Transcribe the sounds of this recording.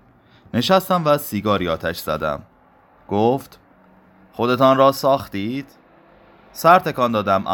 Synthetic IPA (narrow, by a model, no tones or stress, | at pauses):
ne̞ʃæst̪æmvæsiːɡɒːɾiːɒːt̪ʰæʃz̥æ̰d̪æ̰m | ɡ̥oft̪ | χo̞d̪e̞t̪ʰɒnrɒːsɒːxt̪iːd̪̥ | sæɾt̪ʰe̞kɒːnd̪ɒːd̪æmʔ